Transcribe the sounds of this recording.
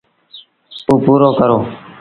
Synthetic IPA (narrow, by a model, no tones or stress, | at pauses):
t̪ũːpuːɾoːkəɾoː